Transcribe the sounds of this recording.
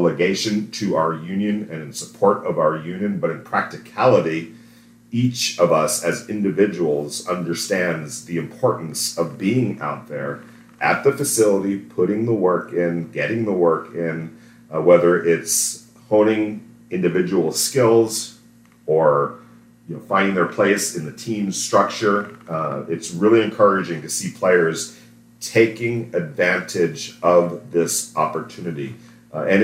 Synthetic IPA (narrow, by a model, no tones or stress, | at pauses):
lˠəɡeɪʃɨ̃ntʰɨaʊə˞jʉ̃njɨ̃nɨ̃nɨ̃nsəpʰɔɹɾʌvaʊə˞jʉ̃njɨ̃nbʌɾɨ̃npʰɹ̥æk̚tɨkʰælˠəɾi | it͡ʃʌvʌsɨzɪ̃ndɨvɪd͡ʒəwl̩ˠzʌ̃ndə˞stæ̃ndzðiɨ̃mpʰɔɹʔn̩sʌvbiɪ̃ŋa̰ʊt̪̚ðə˞ | ʔɨt̪̚ðɨfɨsɪlˠəɾipʰʊɾɪ̃ŋðəwɜ˞kɪ̃nɡɛɾɪ̃ŋðəwɜ˞kʰɪ̃n | wɛðə˞ʔɪts | hõʊ̃nɪ̃ŋ | ɪ̃ndɨvɪd͡ʒəwl̩ˠskɪlˠz | ə˞ | jɨnoʊfãɪ̃ndɪ̃ŋðə˞pʰl̥eɪsɨ̃nðɨtʰĩmstɹ̥ʌk̚t͡ʃə˞ | ɪtsɹɪlˠiɨ̃nkʰɜ˞ɨd͡ʒɪ̃ŋtɨsipʰl̥eɪə˞z̥ | tʰeɪkɪ̃ŋɨdvæ̃ntʰɪd͡ʒʌvðɪsɑ̰pə˞tʰʉnɨɾi | ɨ̃n